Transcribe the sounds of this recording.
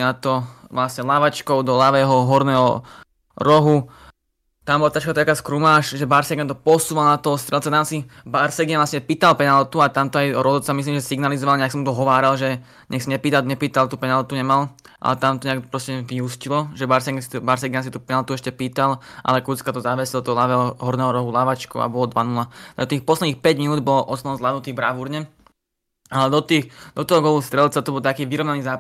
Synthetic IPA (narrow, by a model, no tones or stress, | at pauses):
nat̪ɔʋlasɲɛlaʋat͡ʃkɔʊd̪ɔlaʋɛːɦɔɦɔɾnɛːɦɔ̰ | ɾɔɦu | t̪ambɔlat̪at͡ʃkat̪akaːskɾumaːʃʒɛbaɾsɛɡɛnt̪ɔpɔsuːʋalnat̪ɔɔst̪ɾɛlt͡ssɛt̪amsibaɾsɛɡianʋlasɲɛpiːt̪alpɛnalt̪uat̪amt̪ɔajɔɾɔzɔsamis̬liːmʒɛsiɡnalizɔʋalɲɛaksamut̪ɔɦɔʋaːɾalʒɛ | ɲɛxsiɲɛpiːt̪aɲɛpiːt̪alt̪uːpɛnalt̪uɲɛmal | ʔa̰lɛt̪amt̪ɔɲɛakpɾɔscɛʋiɦuscilɔʒɛbaɾsɛɡst̪baɾsɛɡans̬it̪uːpɛnalt̪uɛʃcɛpiːt̪alʔa̰lɛkut͡skat̪ɔzaʋɛsɛlt̪ɔɦɔlaʋɛɔɦɔɾnɛːɦɔɾɔɦulaʋat͡ʃkṵa̰bɔlɔd̪ʋanulad̪ɔt̪iːxpɔslɛd̪niːxpɛɟminuːd̪bɔlɔʔɔsnɔɔnzlanut̪iːbɾaʋuɾɲɛ | alɛd̪ɔt̪iːxd̪̥ɔt̪ɔɦɔɡɔlust̪ɾɛlt͡sat̪ɔbɔlt̪akiːʋiɾɔʋnaniːzaː